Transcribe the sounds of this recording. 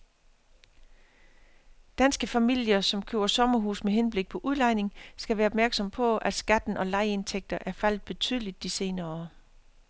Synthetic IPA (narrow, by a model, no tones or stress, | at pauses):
d̥ænsɡ̥əfæmil̰jɐsɒ̽mkʰø̰ʊ̰ɐsɒ̽mɐɦṵːsmeɦenb̥le̝ɡ̥̚pʰɒ̽ʔuð̞ˠlɑ̈ɪne̝ŋsɡ̥æʋæːɐɒb̥̚mæɐɡ̥sɒ̽mpʰɒ̽æ̥sɡ̥æd̥n̩ʔɒ̽lɑ̈ɪe̝nt͡sʰeɡ̥̚d̥ɐʔæɐfæl̰d̥ˠb̥e̝t͡sʰyːð̞ˠlid̥ːise̝ːnɐɒ̰ː